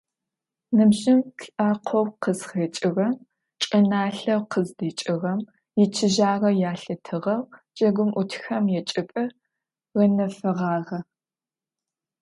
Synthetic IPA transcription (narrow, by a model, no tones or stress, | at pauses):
nɨmʑɪmɬʼaːqʷʰɔwqəzχet͡ʃʼɪrɐm | t͡ʃʼɐnaːɬɐwqʰəzdiːt͡ʃʼɪʁɐm | jɪt͡ʃʰɪʒaːrɐjaːɬɐtʰɨʁɐwt͡ʃʼɐɡʷʊmʔʊtʰxɐmjɛt͡ʃʼɪpʼɨ | rɐnɐfɐʁɑːʁɐ